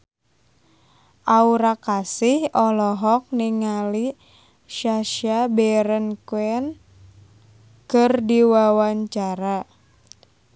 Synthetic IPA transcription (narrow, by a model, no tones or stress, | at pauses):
ʔauɾakasɪhɔlɔɦɔk̚niŋali | ʃaʃabɛɾənkuɛn | kɨrdiwawaɲt͡ʃaɾa